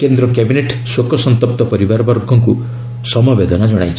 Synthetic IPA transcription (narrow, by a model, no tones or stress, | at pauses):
kend̪ɾɔkjabineʈsokɔsɔnt̪ɔp̚t̪ɔpɔɾibaɾbɔɾɡʱɔŋku | sɔmɔbed̪ɔnad͡ʒɔɽ̃a̰jt͡ʃʰ